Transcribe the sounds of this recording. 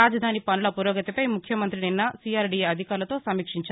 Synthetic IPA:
aːd͡ʒɐd̪ʱaːnipɐnulɐpuɾoːɡɐt̪ipɐjmukʰjɐmɐnt̪ɾininːɐsiːaːɾɖieɐd̪ʱikaːɾulɐt̪oːsɐmiːkʂiɲt͡ʃa

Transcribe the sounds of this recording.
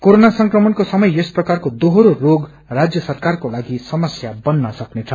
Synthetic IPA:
koɾonasʌŋkrʌmʌnkosʌmʌjesprʌkarkod̪oɦoɾoroɡ | rad͡zjʌsʌrkarkolaɡisʌmʌsjabʌnːʌsʌknet͡sʰʌ

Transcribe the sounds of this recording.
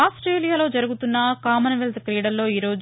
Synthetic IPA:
aːsʈɾe̞ːlijaːlo̞ːd͡ʒɐɾuɡut̪unːɐkaːmɐnɐʋelt̪kɾiːɽɐɾlo̞ːiːɾo̞ːd͡ʒ

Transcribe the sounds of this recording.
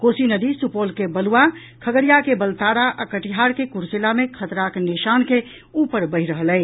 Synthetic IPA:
kosinəd̪isupolkebəluwa | kʰəɡəɾijakebəlt̪aɾaʔəkəʈiɦaɾkekuɾselamekʰət̪ɾakniʃanke | upəɾbəɦiɾəɦəlɛɪ

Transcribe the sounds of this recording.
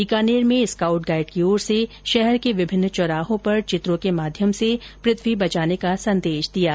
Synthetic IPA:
ikaːneːɾmẽɪskaːʊʈɡaːɪɖ̚keoːɾse | ʃɛɦɛɾkeʋɪbʱɪnːt͡ʃɔɾaːɦõpɐɾt͡ʃɪt̪ɾõkemaːd̪ʱjəmsepɾɪt̪ʰwibɐt͡ʃaːnekasɐ̃nd̪eːʃd̪ijaː

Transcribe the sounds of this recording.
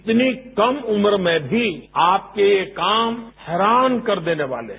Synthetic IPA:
t̪nikɐmʊməɾmẽbʱiaːp̚kejekaːmhɛːɾaːnkɐɾd̪eːneʋa̰ːlḛ

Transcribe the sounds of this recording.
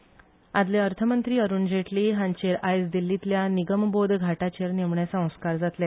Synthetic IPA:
ad̪leəɾt̪ʰəmənt̪ɾiːəɾuːnd͡ʑeʈliːɦãɲt͡ɕeɾajsd̪ilːit̪ljaniɡəmbod̪ʱɡʱaʈat͡ɕeɾnemɳjasə̃w̃skaɾd͡zat̪le

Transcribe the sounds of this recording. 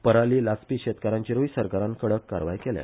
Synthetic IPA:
pəɾaliːlaspiːɕet̪kəɾãɲt͡ɕiɾoisəɾkaɾãnkəɽəkːa̰ɾʋa̰jkelja̰

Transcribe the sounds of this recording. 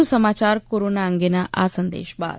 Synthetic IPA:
usɐmaːt͡ʃaːɾkoːɾoːnaːəŋɡenaʔa̰ːsɐnd̪ḛːʃba̰ːd̪

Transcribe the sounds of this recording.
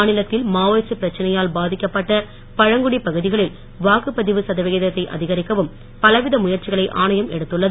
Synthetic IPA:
nɪlɐt̪ːɪlmaːʋɐːsɯpɪɾɐt͡ʃːɐnɐjaːlbaːðɪkːɐpːɐʈːɐ | pɐɻɐŋɡɯɽipɐɣɯðɪɣɐɭɪl | ʋaːkɯpɐðɪʋɯsɐðɐʋɐɣɐðɐt̪ːɐɪʔɐ̰ðɪɣɐɾɪkːɐʋɯm | pɐlɐʋɪðɐmʊjɐɾt͡ʃːɪɣɐɭɐɪʔa̰ːnɐjɐmɛɽɯt̪ːɯɭːɐðɯ

